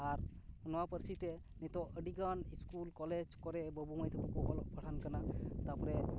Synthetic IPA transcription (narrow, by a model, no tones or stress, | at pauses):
aɾhunowapəɾsit̪ɛ | nit̪ɔʔəɖiɡaniskulkɔled͡ʒkɔɾɛbəbuməjt̪ekɔkubɔlɔʔpaʈʰankanat̪apɔɾɛ